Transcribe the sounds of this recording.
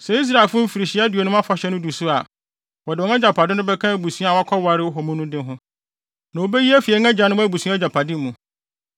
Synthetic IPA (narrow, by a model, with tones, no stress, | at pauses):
sɛ˨i˦s̬ɾa˨lfʊ˦m̩˦fi˨ɾi˨ɕɪ˦a˦do˨nʊ̃˦a˦fa˨ɕɛ˦nʊ̃˦du˨sʊ˦a˨ | wɔ˨dɪ˨ɔ˦nã˦d͡ʑa˨pʰa˨dɪ˦nʊ̃˦bɛ˦kʰã˦˨˦bu˨sũ˦a˨wa˦kʰɔ˦wa˨ɾɪ˦ɔ˦ɦɔ˨mũ˦nʊ̃˦dɪ̃˦ɦʊ̃˦ | nã˨wo˦be˦ji˦æ˦fi˨ɛ˨˦ɛ̃˦d͡ʑa˨˦nʊ̃˦wbu˨sũ˦a˦d͡ʑa˨pʰa˨dɪ˦mũ˨